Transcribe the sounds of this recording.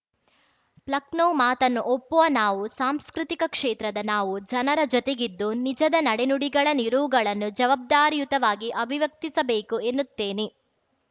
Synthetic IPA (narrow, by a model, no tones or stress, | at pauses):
plɐknoːmaːt̪ɐnːuʔopːuʋɐnaːʋusaːmskɾit̪ikɐkʂeːt̪ɾɐd̪ɐnaːʋud͡ʒɐnɐɾɐd͡ʒɔt̪eɡid̪ːunid͡ʒɐd̪ɐnɐɽenuɽiɡɐɭɐniɾuʋuɡɐɭɐnːud͡ʒɐʋaːb̚d̪aːɾijut̪ɐʋaːɡiʔɐbʱiʋɐk̚t̪isɐbeːkue̞nːut̪ːeːne